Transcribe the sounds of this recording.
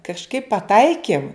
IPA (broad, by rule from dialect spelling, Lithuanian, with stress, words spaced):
kɐʃˈkɐɪp pɐˈtɐɪkʲɪm